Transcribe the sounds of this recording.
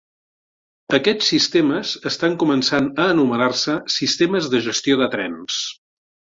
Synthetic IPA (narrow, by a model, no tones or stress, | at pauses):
əkɛt͡sːist̪eməzəst̪aŋkumənsanəːnumənarsəsist̪eməzðəʒəst̪ioðət̪ɾɛ̰ns